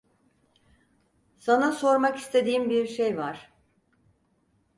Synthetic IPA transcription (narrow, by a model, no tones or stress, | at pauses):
sanaso̞ɾmaki̥st̪ʰed̪iːmbiɾʃejvaɾ̥